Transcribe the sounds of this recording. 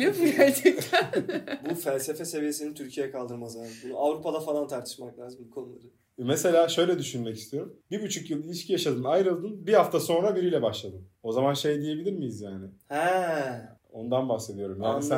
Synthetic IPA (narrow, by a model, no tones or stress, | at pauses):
jopjat̪ | bufælʲse̞fese̞vije̞sinint̪ʰyɾcʰijejɛkʰalˠd̪ɯɾmazaabunuavɾupad̪afalˠant̪ʰaɾt̪ʰɯ̥ʃmaklʲaːzɯmbukʰo̞nulˠa̰ɾɯ | mese̞lʲaːʃø̞jlʲɛd̪yʃynmɛcist̪ʰijo̞ɾumbiɾbyt͡ʃʰykjɯlˠilʲiʃcʰijaʃad̪ɯnajɾɯlˠd̪ɯnbihaft̪ʰaso̞nɾabiɾijlʲɛbaʃlˠad̪ɯno̞zamanʃe̞jd̪ije̞bilʲiɾmijizjaːnɪhɛ | o̞̰nd̪anbaxse̞d̪ijo̞ɾumjaːnsæ